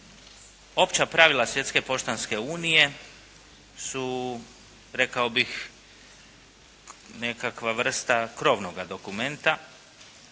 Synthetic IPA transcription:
o̞pt͡ɕapɾaʋilˠasʋje̞t̪skepo̞ʃt̪anske̞uːnije̞ | su | ɾe̞kaobix | ne̞kakʋaʋr̩st̪akɾo̞ːʋnoɡad̪o̞kume̞nt̪a

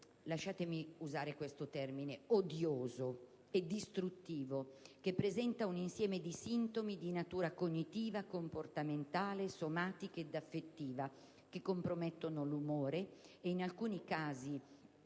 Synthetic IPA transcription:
laʃːaːt̪emiuzaːɾekwest̪ot̪ɛrmineod̪joːzo | ed̪ːist̪ɾut̪ːiːvokepːɾezɛnt̪auninsjɛːmed̪isint̪omid̪inat̪uːɾakoɲːit̪iːvakomport̪ament̪aːlesomaːt̪iked̪afːet̪ːiːva | k̟ekːompɾomɛt̪ːonolumoːɾeeinalkuːnikaːzi

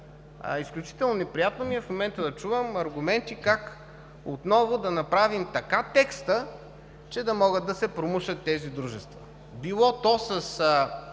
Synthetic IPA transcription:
isklʲut͡ʃi̥t̪ɛlˠnonɛpɾijat̪nomiɛfmomɛnt̪əd̪ɐt͡ʃuvəmɐɾɡʊmɛnt̪ikak | ot̪nɔvʊd̪ɐnɐpɾavimt̪ɐkat̪ɛkst̪ə | t͡ʃɛd̪ɐmɔɡəd̪ːɐsɛpɾomɤʃət̪ːɛzid̪ɾuʒɛst̪vɐ | bilˠɔt̪ɔsɐs

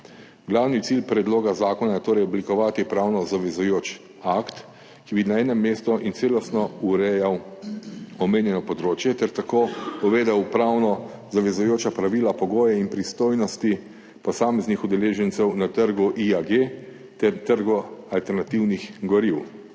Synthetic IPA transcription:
ɡlaːwnit̪silpɾɛd̪loːɡazaːkɔnajɛt̪oːɾɛjɔblikɔʋaːt̪ipɾawnɔzaʋɛzujoːt͡ʃ | akt̪ | kibinaɛːnɛmːeːst̪ɔʔint̪seːlɔst̪nɔuɾɛjaw | ɔmeːnjɛnɔpɔd̪ɾoːt͡ʃjɛt̪ɛɾt̪akoːpɔʋeːd̪ɛwpɾawnɔ | zaʋɛzujoːt͡ʃapɾaʋilapɔɡoːjɛinpɾist̪oːjnɔst̪i | pɔsaːmɛznixud̪ɛleːʒɛnt̪sɛwnat̪əɾɡuʔiaɡe | t̪ɛɾt̪əɾɡualt̪ɛɾnat̪iwnixɡɔɾiw

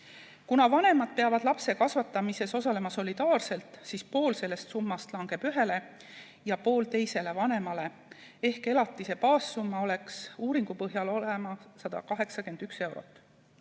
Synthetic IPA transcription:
kunɑvɑne̞mɑd̪̥̚peɑvɑd̪̥lɑpse̞kɑsvɑt̪ːˑɑmise̞so̞sɑle̞mɑso̞lʲid̪̥ɑːrse̞lt̪ˑsispo̞ːlse̞lːe̞st̪sumːɑst̪lɑŋɡ̥e̞b̥yɦe̞le̞ | jɑpo̞ːlt̪e̞jse̞le̞vɑne̞mɑle̞ | e̞hke̞lɑt̪ːˑise̞pɑːsːumːɑo̞le̞ksuːɾiŋɡ̥upɤɦjɑlo̞lemɑsɑd̪̥ɑ̰kɑɦe̞ksɑke̞nd̪̥ykse̞wɾo̞̰t̪ːˑ

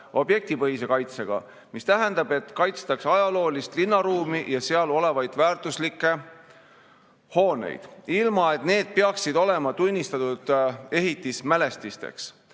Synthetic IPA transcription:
o̞bje̞k̚t̪ipɤɦis̬e̞kɑjt̪se̞ɡ̥ɑ̰ | mist̪æɦɛnd̪̥ɑbe̞t̪kɑjt̪st̪ɑksɑjɑlo̞ːlist̪linːɑɾuːmijɑseɑlo̞le̞vɑjd̪̥væːrt̪ˑuslikˑːe̞ | ho̞ːne̞̰jd̪̥ilmɑe̞t̪ne̞ːd̪̥̚peɑksid̪o̞le̞mɑt̪unʲːist̪ɑt̪ud̪̥e̞ɦit̪ːˑismæle̞st̪ist̪e̞̰ks

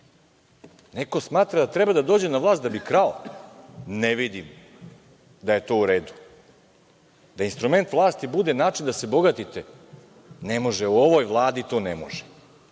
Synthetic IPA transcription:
neko̞smaːt̪ɾad̪at̪ɾebad̪ad̪oːd͡ʑe̞naʋlˠaːst̪d̪abikɾao | neʋid̪im | d̪aje̞t̪o̞ːuɾe̞ːd̪u̥ | d̪ainst̪ɾume̞nt̪ʋlˠaːst̪ibud̪e̞naːt͡ʃind̪ase̞bo̞ɡat̪it̪e | nemo̞ʒeuoʋo̞jʋlˠaːd̪it̪o̞ːnemo̰ʒe

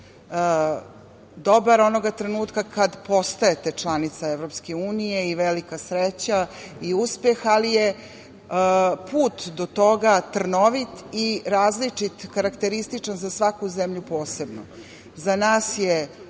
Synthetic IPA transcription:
d̪o̞baɾo̞no̞ɡat̪ɾenuːt̪kakad̪po̞st̪aet̪et͡ʂlˠanit̪saeʋɾo̞pske̞uːnije̞iʋelikasɾet͡ɕaiuspe̞xalije | puːt̪d̪ot̪o̞ɡat̪r̩noʋit̪iɾaːzlit͡ʂit̪kaɾakt̪e̞ɾist̪it͡ʂanzasʋakuzemʎupo̞ːse̞bno | zanaːsje

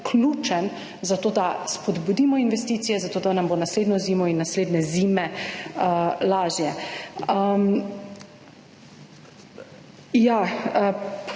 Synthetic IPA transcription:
kʰluːt͡ʃɛn | zat̪oːd̪aspɔd̪bud̪iːmɔinʋɛst̪iːt̪sijɛzat̪oːd̪anamboːnasleːd̪nɔziːmɔinːasleːd̪nɛziːmɛəlaːʒjɛəm | ja

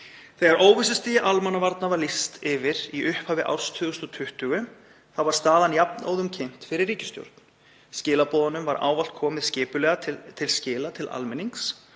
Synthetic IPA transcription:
θɛɣaɾoːwvɪs̬ɪst̪ijaʔalmanːavaɾt̪navalist̪ɪvɪɾiʔʏhphaːvɪʔa̰wɾ̥st̪ʰʏɣʏst̪ɔt̪ʰʏht̪ʏɣʏ | θaðvaɾ̥st̪aːðanjapna̰wðʏmcʰɪn̥t̪fɪɾɪrːiːcɪ̥st̪jo̰wɾt̪̚n̥ | scɪːlapɔːðanʏmvaɾa̰ːwval̥t̪̚kʰɔːmɪðscɪːpʏlɛːɣat̪ʰɪlscɪːlat̪ʰɪlʔa̰lmɪniŋks

